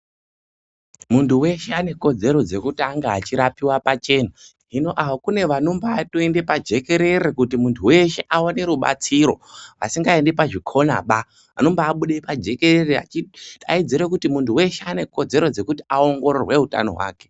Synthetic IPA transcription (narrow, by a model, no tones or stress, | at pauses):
muntʰuwe̞ʃe̞ane̞ko̞d͡ze̞ɾo̞d͡ze̞kutiaŋɡaat͡ʃiɾapiwapat͡ʃe̞ːna | ɦino̞ʔaʋokune̞ʋano̞mbaːtoende̞pad͡ʒe̞ke̞ɾe̞ɾekutimuntʰuwe̞ʃe̞ʔaone̞ɾuɓa̰t͡siɾo̞̰ʋa̰siŋɡae̞ndepaʐikʰo̞na̰ɓa | ano̞mbaːɓuɗepad͡ʒe̞ke̞rerea̰t͡ʃia̰id͡ziɾe̞kutimuntʰuwe̞ʃeane̞ko̞d͡ze̞ɾo̞d͡ze̞kuti̥ao̞ŋɡo̞ɾorwe̞ɦuta̰no̞̰ɦwa̰ːke̞̥